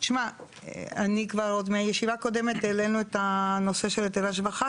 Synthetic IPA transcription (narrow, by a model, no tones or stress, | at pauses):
ʃma | anikvaʁo̞d̪meajeʃivaːko̞d̪e̞met̪ele̞nuet̪ano̞se̞ʃelet̪elaʃ̬vaχa